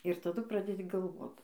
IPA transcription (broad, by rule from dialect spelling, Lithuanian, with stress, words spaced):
ɪr tɐˈdʊ ˈprɑːdʲɛdʲɪ ɡɐlˠˈʋoːt